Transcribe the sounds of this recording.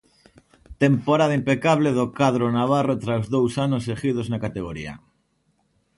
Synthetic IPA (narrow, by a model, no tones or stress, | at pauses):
t̪empoɾaðaimpekaβleðokaðɾonaβ̞arot̪ɾawzðowsanos̬eɣiðoznakat̪eɣ̞oɾḭa̰